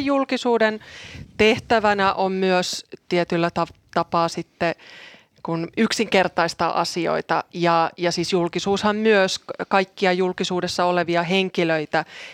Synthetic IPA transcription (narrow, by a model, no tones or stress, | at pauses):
jjulkisuːdent̪eht̪æʋænæʔommyøst̪iet̪ylːæt̪ɑt̪ɑpɑːsit̪ːe | kunyksiŋkert̪ɑist̪ɑ̰ʔɑ̰sio̰it̪ɑjɑjɑsisjulkisuːshɑmmyøskɑikːiɑjulkisuːdesːɑoleʋiɑɦeŋkiløit̪æ